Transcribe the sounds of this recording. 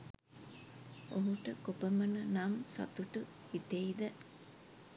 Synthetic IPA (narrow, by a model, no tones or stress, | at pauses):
oɦuʈəkopɐmɐnɐnɐmsɐ̰t̪uʈu | hit̪eid̪ə